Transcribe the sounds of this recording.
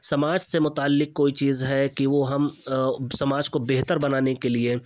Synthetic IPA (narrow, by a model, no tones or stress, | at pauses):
sɐmaːd͡ʒsemʊt̪aːlːɪk̚koːit͡ʃiːzɦɛkiʋoɦɐmsɐmaːd͡ʒkobeɦt̪əɾbɐnaːnekelie